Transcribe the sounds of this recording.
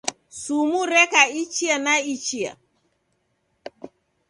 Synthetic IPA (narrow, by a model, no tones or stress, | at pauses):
sumuɾɛkait͡ʃianait͡ʃia̰